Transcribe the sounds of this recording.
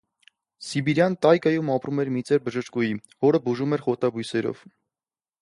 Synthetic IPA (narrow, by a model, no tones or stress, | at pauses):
sibiɾjɑnt̪ɑjkɑjumɑpɾumɛɾmit͡sɛɾbəʒəʃkujivɔɾəbuʒumɛɾχɔt̪ɑbujsɛɾɔ̰v̥